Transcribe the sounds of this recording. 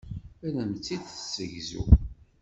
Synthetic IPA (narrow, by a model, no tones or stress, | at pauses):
ælæmt͡sːiθθsəʝzṵ